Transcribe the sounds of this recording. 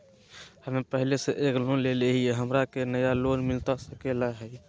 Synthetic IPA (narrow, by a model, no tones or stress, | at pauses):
həmẽpəɦleseʔeːklonleleɦieɦəmɾakenəjalonmɪlt̪asəkelaɦɛj